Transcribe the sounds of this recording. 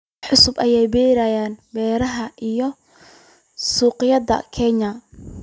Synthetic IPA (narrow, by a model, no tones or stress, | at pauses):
ħʊsʊbɐjɛjbɛːɾajaːnbɛːɾɐɦɐʔijɔ | suːqɪjɐdɐ̰kʰɛɲɐ